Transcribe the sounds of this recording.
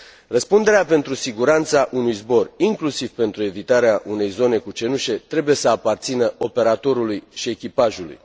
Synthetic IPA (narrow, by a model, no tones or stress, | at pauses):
rəspund̪e̞ɾeape̞nt̪ɾusiɡuɾant̪saʔunujzbo̞riŋklusiv̥pe̞nt̪ɾue̞vit̪aɾeaʔune̞jzo̞ne̞kut͡ʃe̞nuʃe̞t̪ɾe̞buje̞səapart̪sinəo̞pe̞ɾat̪o̞ɾulujʃie̞kʲipaʒulṵj